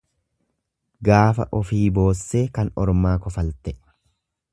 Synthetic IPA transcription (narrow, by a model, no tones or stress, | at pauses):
ɡaːfɐ̰ʔɔfiːbo̞ːsːeːkɐnɔɾmaːkɔfɐlt̪ɛ